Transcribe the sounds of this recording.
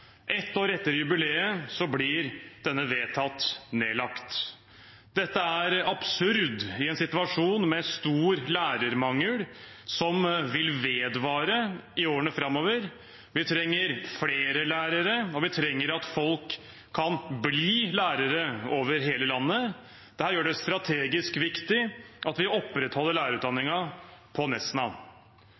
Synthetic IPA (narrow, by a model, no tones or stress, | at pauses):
ʔɛt̪ːoːɾɛt̪ːəɾjʉbɪleːəsɔblɪɾd̪̥ɛnːəʋeːt̪ʰɑt̪ːneːlɑkt̪ | d̪ɛt̪ːəæɾɑb̥sʉɾd̪ɪɛnsɪt̪ʉɑʂuːnmɛst̪uːɾlæːɾəɾmɑŋːəɽ | sɔmʋɪlʋeːd̪ʋɑːɾəɪoːɾəɳəfɾɑmːoːʋəɾ | ʋɪt̪ʰɾɛŋːəɾfleːɾəlæːɾəɾəɔʋɪt̪ʰɾɛŋːəɾɑt̪fɔlkʰː | ɑnbliːlæːɾəɾəoːʋəɾɦeːləlɑnːə | d̪̥ɛhæːɾjøːɖɛst̪ɾɑt̪ʰeːɡɪskʋɪkt̪ɪʔɑt̪ʋɪɔpːɾɛt̪hɔlːəɭæːɾəɾʉːt̪d̪ɑnːɪŋɑpʰɔnɛsnɑ̰